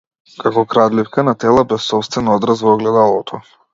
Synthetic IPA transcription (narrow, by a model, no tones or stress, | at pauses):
kakɔkɾad̪lifkanat̪ɛlˠabɛfsɔpst̪vɛnɔɔd̪ɾazvɔɔɡlɛd̪alˠɔt̪ʰɔ